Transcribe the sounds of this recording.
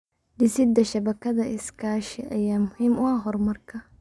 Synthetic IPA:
d̪ɪsɪd̪ɐʃɐbɐkʰɐðɐʔɪskʰaːʃɪʔɐjaːmʊhɪmʊaɦɔrmɐrkʰɐ

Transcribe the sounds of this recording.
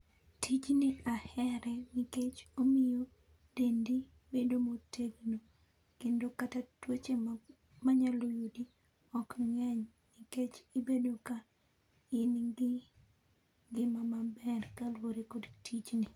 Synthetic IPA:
tʰit͡ʃniahɛɾɛmiket͡ʃomijo | d̥endi | bedomotʰeɡno | kendokatatwet͡ʃe | maɲalojudi | ɔkŋɛɲ | miket͡ʃibedoka | ɪnɡɪ | ŋɡɪmamabɛrkalwoɾekodtʰit͡ʃni

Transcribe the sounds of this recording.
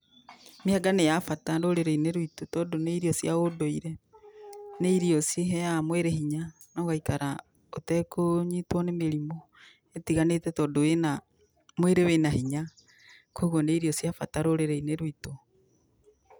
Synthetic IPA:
miaɡanejafataɾoɾeɾeineɾuitotɔːdoneiɾiɔsjaodoiɾɛ | neiɾiɔsjeɦɛjamweɾehiɲa | nɔɣaikaɾa | otɛkoɲitwɔnemeɾimɔ | etiɣanetɛtɔːdoena | mweɾewenahiɲa | koɣoneiɾiɔsjafataɾoɾeɾeineɾwito

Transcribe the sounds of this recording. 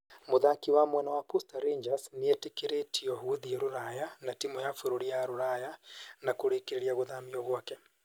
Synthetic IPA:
moðakiwamwɛnawapustaɾeɲd͡ʒasniɛtikeɾetʰiɔɦuðieɾoɾajanatimɔjafuɾoɾijaɾoɾajanakoɾekeɾeɾiaɣoðamiɔɣwakɛ

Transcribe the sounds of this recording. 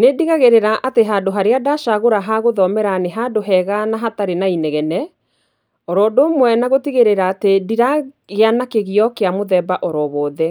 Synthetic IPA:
nediɣaɣeɾeɾaʔateɦadoɦaɾeadaʃaɣoɾaɦaɣoðɔmɛɾaneɦadoɦɛɣanaɦataɾenainɛɣɛnɛ | ɔɾɔdomwɛnaɣotiɣeɾeɾaːtediɾa | ɣeanakeɣiɔkeamoðɛbaʔɔɾɔβɔːðɛ

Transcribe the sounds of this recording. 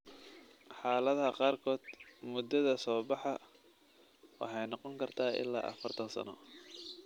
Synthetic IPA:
ħɑːlɐðɐqɑːrkʰɔːd̪̥mʊd̪ɐðɐsɔːbɑħɑ | wɑ̰ħɑjnɑqɔŋkʰɐrt̪ʰaːʔɪ̰lːa̰ːʔɐ̰fɐrt̪ʰɐnsɐ̰nɔ̰

